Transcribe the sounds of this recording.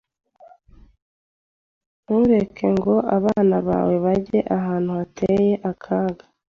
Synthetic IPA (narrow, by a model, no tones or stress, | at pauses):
nuɾe̞kʰe̞ŋɡo̞ʔaβaːnaβa̰ːwe̞βaɟeʔaɦaːn̥huatʰeje̞ʔakʰaːɡḁ